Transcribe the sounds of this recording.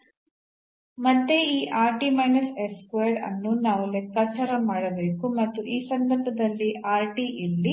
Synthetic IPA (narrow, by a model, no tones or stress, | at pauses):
mɐd̪ːeiːʔaːɾʈimɐjnɐseskʋeːɾɐ̰nːunaːʋulekːɐt͡ʃːɐɾɐmaːɽɐbeːkumɐt̪ːuʔiːsɐnd̪ɐɾbʱɐd̪ɐlːiʔaːɾʈiʔilːi